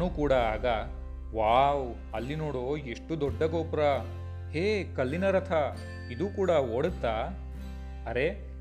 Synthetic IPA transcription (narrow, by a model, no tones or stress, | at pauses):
nuːkuːɽɐaːɡɐ | ʋaːw | ɐlːinoːɽoːeʂʈud̪ɔɖːɐɡoːpɾɐ | heːkɐlːinɐɾɐt̪ʰɐ | id̪uːkuːɽɐoːɽut̪ːaː | ɐɾe